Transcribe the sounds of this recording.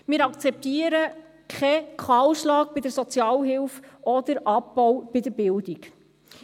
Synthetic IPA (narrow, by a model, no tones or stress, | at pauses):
mɪːɾɑkt͡sɛp̚t̪iːəɾə | kχɛkʰχɑlʃlɑːk̚bɪdəɾsɔt͡sjɑːlɦɪlfɔd̪əɾʔɑpːɔwb̥ɪdəɾbɪld̥ik